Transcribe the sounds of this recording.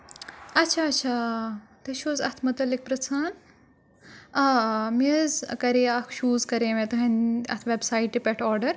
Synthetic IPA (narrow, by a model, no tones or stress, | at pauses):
ɐtːt͡ʃʰaːɐtːt͡ʃʰaːt̪ɐʃuːzɐt̪ʰmɐt̪ɐlik̚pɾɐt͡sʰaːn | ɐmizkɐɾeɐkʰʃuːzkɐɾẽmẽt̪ɐɦɐnɐ̰t̪ʰʋebsaːjʈːipʲɛʈʰɔːɾɖɐɾ